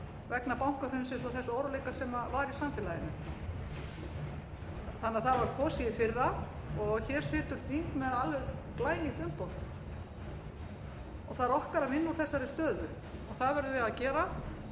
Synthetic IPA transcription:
vɛknapawŋ̥kaɾʏnsɪnsɔθɛsːoːwɾalejkasɛmavaɾisamfɪlajɪnʏ | θanːaθaðvaɾkʰɔːsiɪfɪrːaɔɣçɛɾ̥sɪːt̪ʏɾ̥θiŋ̥k̪mɛðalvʏklaːjniht̪ʏmpowð | ɔɣθaðɾɔhkaɾavɪnːu̥θɛsːaɾɪst̪œːðʏ | ɔɣθaðvɛɾðʏvɪðaðcɛːɾa

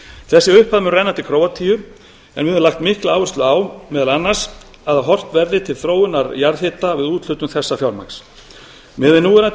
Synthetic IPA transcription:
θɛsːɪʏhpaðmʏnrɛjnat̪ʰɪlkʰɾoːwat̪ʰiːjʏ | ɛ̰nvɪɛmlaxt̪mɪhklaaːwvɪst̪lʏawmɛːðalanːaɾ̥s | aðaɦɔr̥t̪vɛɾðɪt̪ʰɪlθɾoːwɪnːaɾjaɾðθhɪt̪avɪðuːt̪l̥ʏt̪ʏmθɛsːafjawɾma̰ks | mɛvɪnuːɪɾa

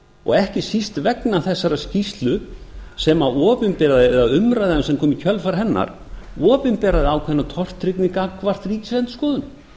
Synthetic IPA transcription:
ɔ̰ɣɛhcɪsist̪vɛknaθɛsːaɾascist̪lʏsɛmaɔːpɪnpɛːɾaðɪɛðaðʏmɾajðaamsɛmkʰɔːmɪcʰœlfaɾɦɛnːa̰ɾ̥ | ɔːpɪnpɛːɾaðɪawkʰvɛnːat̪ʰɔr̥t̪ːɾɪknɪkakʰvar̥t̪riːcɪ̥slɛnt̪skɔːðʏn

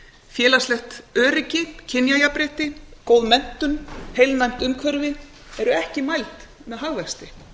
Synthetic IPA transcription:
fjɛːlaslɛxt̪œːɾɪcɪcʰɪnjajapɾɛːht̪ɪkoːwðmɛn̥t̪ʏnhejlnajm̥t̪ʏmkʰvœɾvɪ | ɛɾʏɛhcɪmajlt̪ | mɛðɦaɣvɛkst̪ɪ

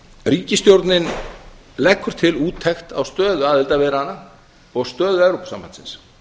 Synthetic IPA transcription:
riːcɪst̪jowɾt̪nɪn | lɛkʰːʏɾ̥t̪ʰɪluːt̪ʰːɛxt̪a̰wst̪œːðʏaðɛlt̪avɛːðɾɪhanːa | ɔɣst̪œːðʏɛwɾowpasa̰ːmːpansɪ̰ns

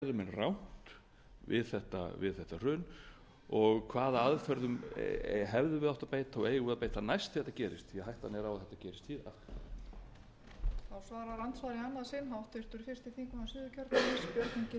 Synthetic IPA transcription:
ðʏmɛnrawn̥t̪ | vɪ̰ðθɛht̪a̰vɪ̰ðθɛht̪ar̥ʏːn | ɔɣkʰvaːðaaðfœɾðʏm | ɦɛvðʏvɪðawht̪apeːjt̪aaweːjɣvɪðapeːjt̪anajst̪θɛht̪ːacɛːɾɪ̰st̪θiɛɦajht̪anɛɾawaðθɛht̪ːacɛːɾɪst̪hiːða̰ | θawsvaːɾaɾant̪svaɾianːaðsɪnɦawht̪ʏɾ̥t̪ʏɾfɪ̥st̪ɪθiŋkaasɪːðʏcʰœɾt̪naɪspjœɾt̪niɲcɪ

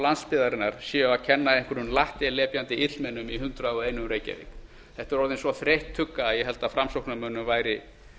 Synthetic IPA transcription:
lanspɪːðaɾɪnːaɾ̥sɛacʰɛnːaejŋ̥kʏɾʏnlaht̪ɪlɛːpjant̪ɪɪt̪lmɛnːʏmiɦʏnt̪ɾaɔɣeːjnʏmɾeːjca̰vɪ̰k | θɛht̪ɛɾɔɾðɪnsvɔθɾejht̪ʰːʏkːaːjɛɦɛlt̪afɾamsowknamœːnʏmvaːjɾɪ

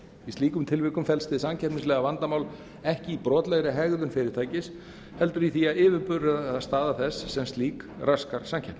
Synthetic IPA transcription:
ist̪liːkʏmt̪ʰɪlvɪkʏmfɛlst̪ɪðsamcʰɛpnɪnslɛːɣavant̪amaːwl | ɛhcɪipɾɔːt̪lɛɣɾɪɦɛɣðʏnfɪːɾɪɾ̥t̪ʰaːjcɪs | hɛlt̪ʏɾiθiaðɪːvɪɾpʏrʏððaðst̪aːðaθɛsːɛmst̪liːkraskaɾ̥samcʰɛpn

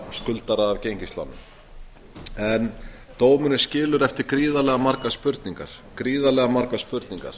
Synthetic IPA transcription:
skʏlt̪aɾaːvcejɲcist̪la̰nːʏm | ɛn | t̪oːwmʏnɪscɪːlʏɾɛft̪ɪɾ̥kɾiːðalɛɣamaɾkaspʏɾt̪niŋka̰ɾ̥ | kɾiːðalɛɣamaɾkaðspʏɾt̪niŋka̰ɾ̥

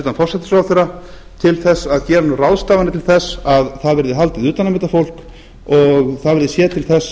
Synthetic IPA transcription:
t̪anfɔrsɛt̪ɪ̥sɾawθeɾa | t̪ʰɪlθɛsːaðcɛːɾanʏrawðst̪aːvanɪt̪ʰɪlθɛsːaðθaðvɛɾðɪɦalt̪ɪðʏːt̪anamɛːt̪afowl̥k | ɔɣθaðvɛɾðɪsjɛːt̪ʰɪlθɛs

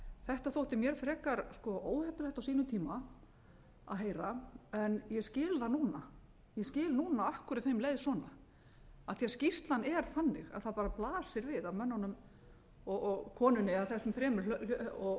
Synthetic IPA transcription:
θɛht̪aθowht̪ɪmjɛɾ̥fɾɛːkaɾskɔʔoːwhɛhpʏlɛht̪awsiːnʏt̪ʰiːma | a̰ðɦeːjɾaɛnjɛscɪːlðanuːna | jɛscɪːlnuːnaahkʏɾɪt̪θejmleːjðsɔːna | aθiascist̪lanɛɾ̥θanːɪɣa̰ðθaðpaːɾaplaːsɪɾvɪðaðmœnːanʏm | ɔɔkʰɔːnʏnɪaðθɛsːʏmθɾɛːmʏlɔ

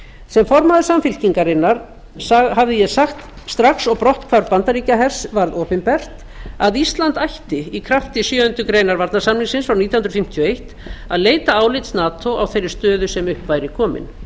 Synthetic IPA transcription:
sɛmfɔɾmaðʏsamfɪl̥ciŋkaɾɪnːaɾ̥ | sahavðɪjɛɣsaxt̪ | st̪ɾaksɔɣpɾɔht̪kʰvaɾpant̪aɾiːcaɦɛr̥svaɾðoːpɪnpɛr̥t̪ | aðist̪lant̪ajht̪ɪikʰɾaft̪ɪsjœːʏnt̪ʏkɾejnaɾvaɾt̪nḁsamlɪŋsɪnsfɾawniːt̪jahʏnɾðfɪm̥t̪ʰjɔejht̪ | aðleːjt̪aaːwlɪjt̪snaːt̪ʰowawθejɾːɪɾ̥st̪œːðʏsɛmʏhpvaːjɾɪkʰɔːmɪ̰n

